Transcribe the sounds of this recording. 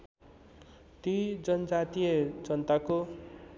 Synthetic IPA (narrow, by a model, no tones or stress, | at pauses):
t̪id͡zʌnʌd͡zat̪ijʌd͡zʌnt̪ako